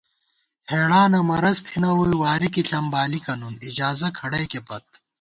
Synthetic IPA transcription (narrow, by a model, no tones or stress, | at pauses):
heːɽaːnɐmɐɾɐst̪ʰinɐwujiwaːɾikiɬɐmbaːlikɐnunid͡ʑaːzɐkʰɐɽɐjkepɐt̪̚